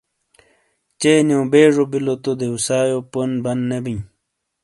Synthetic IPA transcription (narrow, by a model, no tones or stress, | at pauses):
t͡ɕeːnjõːbeːʐobilot̪od̪eusaːjoponbɐnnebĩɲ